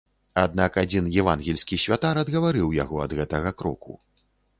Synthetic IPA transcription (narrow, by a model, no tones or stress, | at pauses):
ad̪nakad͡zʲinjɛvanɣʲɛlʲsʲkʲisʲvʲat̪aɾɐd̪ɣɐvaɾɨwja̰ɣɔɐd̪ɣɛt̪ɐɣɐkɾɔ̰kʰṵ